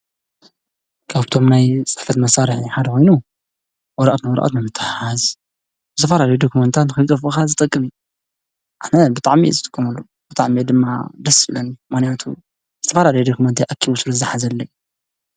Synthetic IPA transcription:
kʰaβt̪ʰo̞mnajt͡sʼɨ̥ħfɐt̪mɐsaɾɨħiħad̪ɐkʰo̞jnu | wɔɾɐʔat̪nɨwɔɾɐ̰ʔa̰t̪nɨmɨt̪ʰːaħħaz | bɨ̥t̪ʰɐfɐlaljud̪okʰumɐnt̪ʰat̪nɨxɨt̪ʼɐfkazɨt̪ʼɐkʼːɨmi | ʔɨħnɐbɨt̪ʼaʕmiḛzɨt̪ʼɨ̥kʼːɨmalːo | b̥ɨt̪ʼaʕmied̪ɨmːa̰d̪ɐsɨlɐnmɨxnijat̪ʰṵ | zɨt̪ʰɐfɐlalɐjd̪okʰumɐnt̪ʰaʔɐkʰːiβusɨlozaħazɐlːɐ

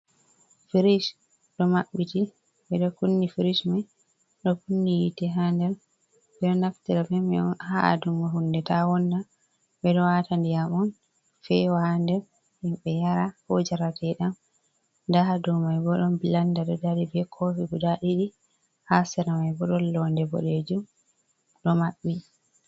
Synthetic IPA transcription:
fiɾiʃ | ɗɔmaɓːiti | ɓɛɗɔkunːifiɾiʃmaj | ɗɔkunːijitɛɦandɛɾ | ɓɛɗɔnaktiɾafɛmɛɔnhaa̰dumːaɦundɛtawɔnda | ɓɛɗɔwatandijamɔn | fɛwandɛ | himɓɛjaɾahod͡ʒaɾatʰɛɗam | ndahadumajɡɔɗɔmbilandaɗɔdaɾibɛkʰofiɡudaɗiɗi | hasɛɾamajɡɔɗɔlːɔndɛbɔ̰ɗed͡ʒum | ɗɔmaɓːi

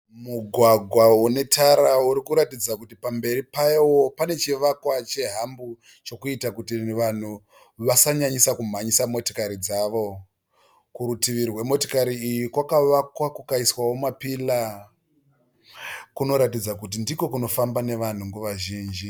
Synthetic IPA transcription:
muɡʱwaɡʱwaune̞tʰaɾauɾikuɾatid͡zakutipambe̞ɾipaiwopane̞t͡ʃiʋakwat͡ʃe̞ɦambu | t͡ʃo̞kuitakutiʋan̤u | ʋasaɲaɲisakum̤aɲisamo̞tokaɾid͡zaʋo̞ | kuɾutiʋirwe̞mo̞tokaɾiːjikwakaʋakwakukaiswawomapila | kuno̞ɾat̬id͡zakut̬indiko̞kuno̞fambane̞ʋan̤uŋɡuʋaʒiːnd͡ʒi

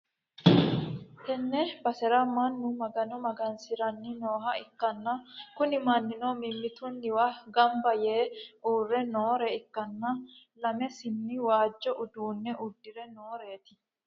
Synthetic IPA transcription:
t̪ɛnːɛbɐsɛɾɐmɐnːʊmɐɡɐnɔmɐɡɐnsɪɾɐnːɪnoːɦɐɪkːɐnːɐkʊnɪmɐnːɪnoːmɪmːɪt̪ʊnːɪwaɡɐmbɐjeːuːrːɛnoːɾɛɪkːɐnːɐ | lɐmɛsɪnːɪwaːd͡ʒːɔʔʊd̪uːnːɛʔʊd̪ːɪɾɛnoːɾe̞ːt̪ɪ̥

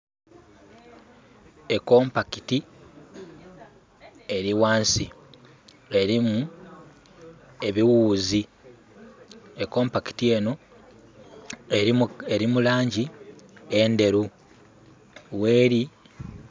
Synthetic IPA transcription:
ekoːmpakiti | e̞ɾiwaːnsi | e̞ɾimu | e̞βiwuːzi | eko̞ːmpaki̥tie̞ːno̞ | eeɾimulaːɲɟiende̞ɾu | we̞ːɾi

